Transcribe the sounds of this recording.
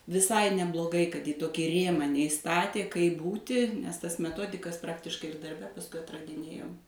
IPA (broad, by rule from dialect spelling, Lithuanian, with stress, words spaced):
ʋʲɪˈsɐɪ nʲɛblˠoːˈɡɐɪ kɐt iː ˈtoːkʲiː ˈrʲeːmɑː nʲɛɪˈstɑːtʲeː kɐɪp ˈbuːtʲɪ nʲɛs ˈtɐs mʲɛˈtoːdʲɪkɐs ˈprɑːktʲɪʃkɐɪ ɪr dɐrʲˈbʲɛ pɐsˈkʊɪ ɐtrɐdʲɪˈnʲeːjoːm